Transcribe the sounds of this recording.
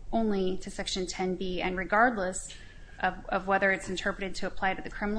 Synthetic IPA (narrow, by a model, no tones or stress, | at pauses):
ʔõʊ̃nliɾɨsɛkʃɨ̃ntʰɛ̃nbiɨ̃nɹɨɡɑɹdˡləs | ʔʌvʌvwɛðə˞ɨtsn̩tʰɜ˞pɹɨɾɨd̚tʰɨːpʰl̥aɪɾɨðɨkʰɹ̥ɪ̃mn